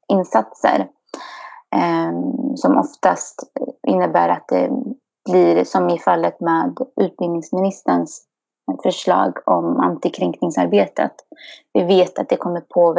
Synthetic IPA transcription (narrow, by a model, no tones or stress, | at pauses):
ɪnːsat̪sə̰ɾ | sɔmʔɔ̰ft̪ast̪ɪnːəbæːɾat̪̚d̪ɛ̰ | b̥lɪːɾsɔmɪfalːət̪meːd̪ʉ̟ːt̪̚bɪlnɪŋsmɪnɪst̪əns | fœʂɭɑ̰ːɡɔma̰nt̪ɪkʰɾɛŋknɪŋsaɾbeːt̪ə̰t̪vɪveːt̪at̪̚d̪ɛkʰɔmːəɾpʰoːv